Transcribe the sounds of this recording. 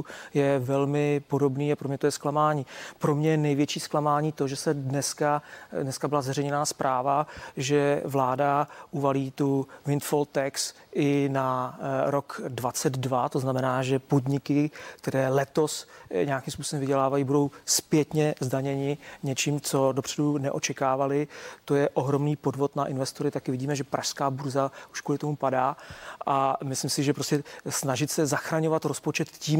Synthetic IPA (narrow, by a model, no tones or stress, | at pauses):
jɛvɛlmɪpo̞do̞bniːapɾomɲɛt̪ojɛsklamaːɲiːpɾomɲɛjɛnɛjvjɛt͡ʃiːsklamaːɲiːt̪o̞ʒɛsɛdnɛskadnɛskabɪlazɛrɛjɲɛnaːspɾʔaːvaʒɛvlaːdaʔuvaliːt̪uvɪnt̪folt̪ɛks | ʔɪnaɾokdvat͡sɛd̪dvat̪oznamɛnaːʒɛpodɲɪkɪk̚t̪ɛɾɛːlɛt̪o̞sɲɛakimspusobɛmvɪɟɛlaːvajibudo̞wspjɛt̪ɲɛzdaɲɛɲɪɲɛt͡ʃiːmt͡so̞do̞pr̥ɛdunɛʔo̞t͡ʃɛkaːvalɪt̪o̞jɛʔo̞ɦɾo̞mniːpo̞dvo̞t̪naʔɪnvɛst̪oɾɪt̪akɪvɪɟiːmɛʒɛpɾʔaʃskaːbuɾzaʔu̥ʃkulɪt̪o̞mupadaːʔamɪslɪmsɪʒɛpɾoscɛsnaʒɪt̪sɛzaxɾaɲo̞vat̪ɾo̞spo̞t͡ʃɛt̪ciːm